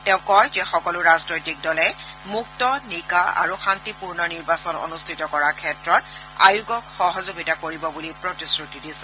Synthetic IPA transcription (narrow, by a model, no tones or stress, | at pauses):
tɛʊ̃kɔjzɛxɔkɔlʊɹaznojtik̚dɔlɛmuk̚tɔnikaa̰ɹuxantipuɹnɔniɹbasɔno̰nustʰitɔkɔɹaɹkʰɛtɹɔt | a̰juɡɔkxɔɦɔzoɡitakoɹibɔbulipɹotisɹutidisɛ